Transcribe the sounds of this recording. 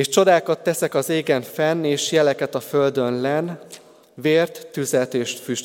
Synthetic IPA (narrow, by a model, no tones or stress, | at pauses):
eːʃt͡ʃo̞d̪aːkɒt̪ːɛsɛkɒzeːɡɛɱfɛnːeːʃjɛlɛkɛt̪ɒfø̞ld̪ø̞nlɛn | veːrt̪ːyzɛt̪eːʃfyʃ